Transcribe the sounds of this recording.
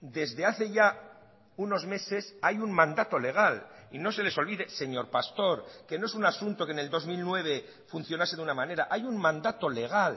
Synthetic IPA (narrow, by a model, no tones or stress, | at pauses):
d̪e̞zðe̞aθe̞ʝa | uno̞zme̞se̞sajuŋmãnd̪at̪o̞le̞ɣ̞alino̞se̞le̞so̞lβiðe̞se̞ɲo̞ɾpast̪o̞ɾke̞noe̞sunasunt̪o̞kene̞ld̪o̞zmilnwe̞βe̞ | fun̟θjo̞nase̞ðunamãne̞ɾaʔajuŋmãnd̪at̪o̞le̞ɣ̞al